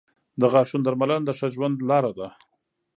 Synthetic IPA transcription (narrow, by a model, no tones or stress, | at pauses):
d̪əɣɑʂund̪aɾmaland̪əʂaʒwand̪lɑɾad̪a